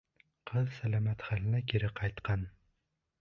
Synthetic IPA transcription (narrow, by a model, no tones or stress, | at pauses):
qʰɨðsælamæt̪χalnækʲʰiɾɪqʰɑjt̪qʰɑn